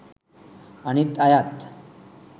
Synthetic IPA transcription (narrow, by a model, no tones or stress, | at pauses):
aɽ̃it̪ajat̪